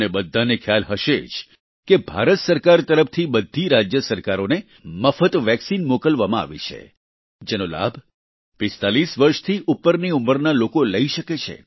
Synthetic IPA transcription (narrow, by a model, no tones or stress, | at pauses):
nebəd̪ʱːanekʰjalɦəʃed͡ʒ | kebʱaɾət̪səɾkaɾt̪əɾəft̪ʰibəd̪ʱːiɾad͡ʒjəsəɾkaɾone | məfət̪ʋɛksinmokəlʋamãa̰ʋḛt͡ʃʰḛ | d͡ʒenola̰bʱ | pɪst̪alisʋəɾʃt̪ʰiʔupːəɾniuməɾnalokoləiʃəket͡ʃʰḛ